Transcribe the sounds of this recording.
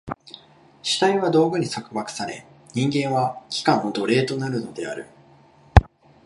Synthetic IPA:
ɕi̥t̪aiβad̪o̞ːɡɯ̟ɲ̟isakɯ̟βakɯ̟̥saɾe̞̰ | ɲ̟ĩŋɡẽ̞ɰ̃βakʲi̥kãɰ̃od̪o̞ɾe̞ːt̪o̞naɾɯ̟no̞d̪e̞a̰ɾɯ̟̰

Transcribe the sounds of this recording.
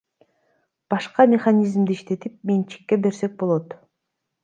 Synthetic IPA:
b̥ɑʃqɑmʲeχanʲizmd̪iʃt̪e̞t̪ip̚ment͡ʃʰi̥kːe̞be̞ɾse̞k̚bo̞lˠot̪

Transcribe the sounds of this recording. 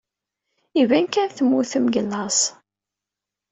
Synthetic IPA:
ivænkænθəmːuθəmɡəlːɑs

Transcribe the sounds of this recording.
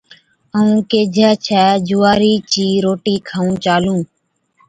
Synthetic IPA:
əũːkeːd͡ʒʱɛːt͡ʃʰɛːd͡ʒuːaːɾiːt͡ʃiːɾoːʈiːkʰaːũːt͡ʃaːlũː

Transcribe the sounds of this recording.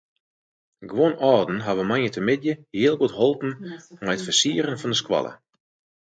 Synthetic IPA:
ɡwonɔːrdn̩ɦaʋəmanətʰəmɪdjəhiəlˠɡutɦolˠpn̩mɛjətfəsiəɾənfɔndəskwɑ̰lˠə̰

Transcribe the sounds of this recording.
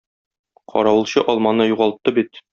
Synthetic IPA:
qʰɒ̰ɾɑwɤ̆lˠɕɤʔɒlˠmɑnɤjuʁɑlˠt̪ːɤbit̪

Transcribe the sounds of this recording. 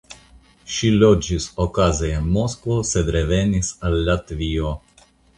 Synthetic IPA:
ʃilod͡ʒisokazeenmoskvosed̪ɾevenisalːat̪vio

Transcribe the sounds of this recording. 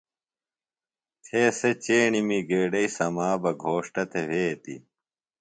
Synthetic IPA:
t̪ʰeːset͡ɕeːɳimiɡeːɖɐisɐmaːbɐɡʱoːʂʈɐt̪ʰeʋeːt̪ḭ

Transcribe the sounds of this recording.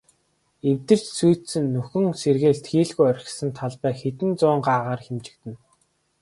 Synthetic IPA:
ewt̪ɘ̆r̥t͡ɕsujʰt̪sɘ̆nːuxɵ̆ŋserɣeːɮt̪xiːɮɣujœɾ̆ʲsə̆nt̪ʰaɮpæːxet̪ɘ̆nt͡sʊːɴɢaːʁaːrxemt͡ɕɪ̆k̚t̪ɘ̆n

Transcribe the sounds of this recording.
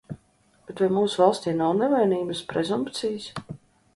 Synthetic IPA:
b̥ɛt̪vajmuːsvalˠst̪ʲinɔwnɛvɛjniːbəspɾɛzumpt̪sijs

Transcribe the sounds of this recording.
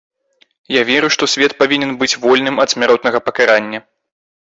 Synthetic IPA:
javʲɛɾuʂt̪ɔsʲvʲɛt̪̚pavʲinʲɛnbɨt͡sʲvɔlʲnɨmɐd̪sʲmʲaɾɔt̪nɐɣɐpɐkaɾanʲːɐ

